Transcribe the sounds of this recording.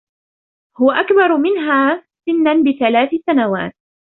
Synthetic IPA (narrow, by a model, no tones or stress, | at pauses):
hʊwaʔakbɑɾˤmɪnɦaːsɪnːanbɪθalaːθɪsanawa̰ːt̪̚